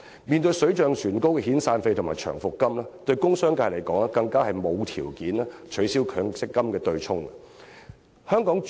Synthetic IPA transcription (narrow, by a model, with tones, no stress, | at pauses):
miː˨nt̪ɵ˧ɥsɵ˨˥ɥt͡ʃœː˨˧ŋsyː˨˩nko˥wkɛː˧hiː˨˥nsaː˧nfe˧t̪ʰʊ˨˩ŋmaː˨jt͡ʃʰœ̰ː˨˩ŋfʊ˨kːɐ˥mlɛː˥t̪ɵ˧ɥkʊ˥ŋsœː˥ŋkaː˧jlɐ˨˩jkɔː˨˥ŋlɛ˥kɐ˧ŋkaː˥hɐ˨jmo˨˧wt̪ʰiː˨˩wkiː˨˥nɛː˥t͡ʃʰɵ˨˥siː˥wkʰœː˨˧ŋsɪ˥kːɐ˥mkɛː˧t̪ɵ˧ɥt͡sʰʊ˥ŋɐ˨ | hœː˥ŋkɔː˨˥ŋ